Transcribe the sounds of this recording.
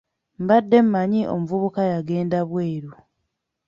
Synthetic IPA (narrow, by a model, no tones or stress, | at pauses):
m̩badːe̞m̩maɲiʔo̰muvuβukajaɡe̞ːndaβwe̞ːɾu